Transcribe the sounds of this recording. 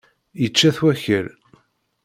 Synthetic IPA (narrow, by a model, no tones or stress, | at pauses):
jət͡ʃːæθwæçəɾ